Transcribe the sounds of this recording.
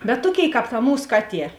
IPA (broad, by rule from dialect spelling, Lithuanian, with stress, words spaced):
bʲɛt ˈtuɔˌkʲeːɪˈkɑːp tɐ ˈmuːs ˈkɑːˌtʲiɛ